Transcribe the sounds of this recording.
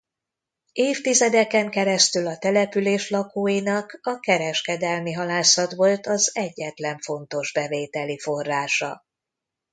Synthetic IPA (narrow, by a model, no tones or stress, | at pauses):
eːft̪izɛd̪ɛkɛŋkɛɾɛst̪ylɒt̪ɛlɛpyleːʃlɒkoːjinɒkɒkɛɾɛʃkɛd̪ɛlmiɦɒlaːsɒt̪ʋo̞lt̪ɒzɛɟːɛt̪lɛɱfo̞nt̪o̞ʒbɛveːt̪ɛlifo̞rːaːʃɒ̰